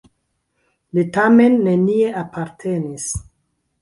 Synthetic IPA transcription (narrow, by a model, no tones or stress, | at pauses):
litame̞nːe̞nie̞apaɾtʰe̞nis